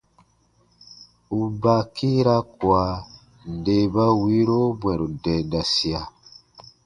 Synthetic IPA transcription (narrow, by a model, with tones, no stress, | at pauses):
u˨ba˨kʰi˦ɾa˦kwa˨ | de˨ba˦wi˦ɾo˦bwɛ˨ɾu˨dɛ˨da˨si˨a˨